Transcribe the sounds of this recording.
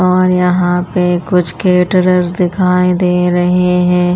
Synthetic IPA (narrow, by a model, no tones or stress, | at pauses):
ɔːɾjɐɦãpekʊt͡ʃʰkeːʈəɾəɾzd̪ɪkʰaːed̪eːɾɐɦeɦɛ̃ː